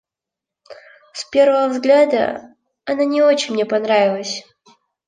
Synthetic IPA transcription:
spʲe̞rvəvəvzɡlʲad̪ə̰ | ɐnanʲɪo̞t͡ɕɪnʲmnʲepɐnɾavʲɪlˠəsʲ

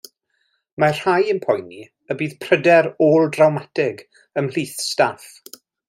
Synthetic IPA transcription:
mar̥hajənpʰɔjni | əbiːð̥pʰr̥ədɛɾoːlˠdrawmatɪɡ | əml̥iːθstaf

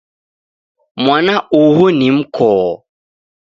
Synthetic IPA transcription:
mwanaʔuɦunim̩kʰɔː

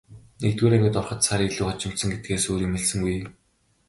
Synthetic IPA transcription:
nekt̪ɡuːɾæŋɡʲɘ̆t̪ɔrχə̆t̪saɾiːɮuːχɔt͡ɕɪ̆m̥t̪sə̆ŋɡet̪̚ɡeːsoːɾiːŋmeɮsɘ̆ŋɡuj

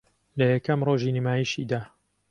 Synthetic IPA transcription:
lɐjɐkɐmroːʒiːnimaːjiʃid̪aː

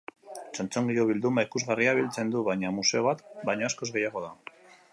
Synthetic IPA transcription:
t͡so̞nt͡so̞ŋɡio̞βild̪umaikuzɣariaβ̞ilt͡se̞nd̪uβajɲamuse̞βat̪bajɲoasko̞zɣe̞jaɣo̞ða

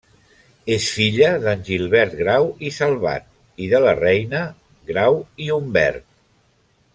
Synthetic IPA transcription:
esfiʎəðənʲʒilˠβɛɾt̪̚ɣɾawisəlˠβa̰t̪̚ | iðələrɛjnə | ɡɾawiumbɛ̰ɾt̪̚

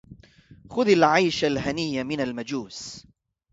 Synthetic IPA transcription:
xʊðalʕajʃalɦanɪjːamɪnalmad͡ʒuːs

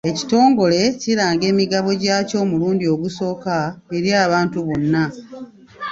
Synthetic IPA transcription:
e̞ci̥to̞ːŋɡo̞le̞ciɾaːŋɡe̞ːmiɡaβo̞ɟaːco̞ːmuluːndio̞ɡuso̞ːkaeɾjaːβaːntuβonːa

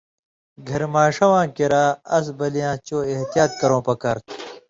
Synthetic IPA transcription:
ɡʱɐɾmaːʂɐwãːkiɾaːɐs̬bɐlijãːt͡ɕoːeht̪ijaːt̪̚kɐɾõːpɐkaɾt̪ʰ

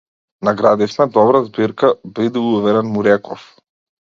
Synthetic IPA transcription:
naɡɾad̪ɛʃnad̪ɔbɾazbiɾkabid̪ɛuvɛɾɛnmuɾɛkɔf

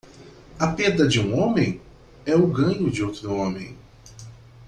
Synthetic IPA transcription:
ɐped̪ɾɐd͡ʒɪũõmẽj̃ | ɛʊɡɐ̃ɲʊd͡ʒɪowt̪ɾʊõmḛ̃j̃

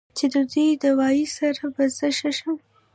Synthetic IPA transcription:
t͡ʃed̪əd̪ujd̪əwɑjisaɾabazəʃaʃa

